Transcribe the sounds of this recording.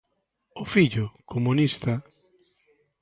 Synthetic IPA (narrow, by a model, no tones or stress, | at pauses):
ʊfiʎʊkʰomunist̪a